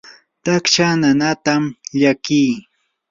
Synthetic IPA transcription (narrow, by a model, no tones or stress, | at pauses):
t̪akt͡ʃananat̪amʎakij